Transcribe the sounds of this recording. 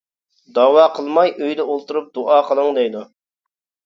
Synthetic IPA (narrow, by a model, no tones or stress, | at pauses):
d̪ɑwɑːqʰəlˠmɑjøjd̪ɛolˠt̪uɾup̚d̪̥uʔɑːqʰəlˠəŋd̪ɛjd̪u